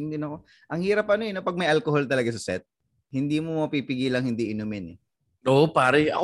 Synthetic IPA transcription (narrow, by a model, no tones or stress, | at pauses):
nd̪ɪnɐko | ʔɐŋhiːɾɐpɐnoɛnopɐɡ̚mɐjʔalkoholt̪ɐlɐɡas̬ɐsɛ̰t̪̚ | hɪnd̪iːmomɐpiːpɪɡiːlɐŋhɪnd̪iʔɪnʊmɪnɛ | ʔoʔopaːɾɛɐ̰k